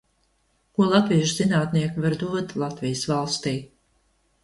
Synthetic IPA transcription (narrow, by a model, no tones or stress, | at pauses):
kuɔlˠat̪vijʒzinaːt̪niɛkvaɾd̪uɔt̪ʲlˠat̪vijəsvalˠst̪iː